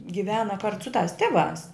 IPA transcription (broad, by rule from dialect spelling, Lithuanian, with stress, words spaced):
ɡʲɪˈʋʲæːnɐ kɐrt sʊ tɐs ˈtʲɪˌʋɑːs